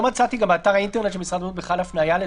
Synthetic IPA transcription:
mat͡sat̪iɡambeːt̪aʁaint̪enet̪ʃelmisʁad̪mut̪beχalafnajale

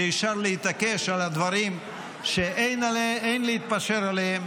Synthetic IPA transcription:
ʃaʁlehit̪ake̞ʃalad̪vaʁim | ʃeʔejnalejnleit̪̚paʃeɾalehem

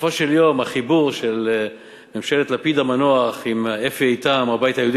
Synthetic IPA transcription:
foʃeljomaχibuʁʃel | memʃelet̪lapid̪amanoaχimefiejt̪amabajt̪ajeud̪i

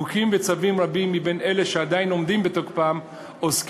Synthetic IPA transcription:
ukimvet͡savimʁabimːibe̞neleʃead̪aino̞md̪imbet̪o̞χpaːm | osk

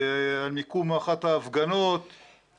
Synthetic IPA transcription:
almikumaχat̪haːfɡanot̪

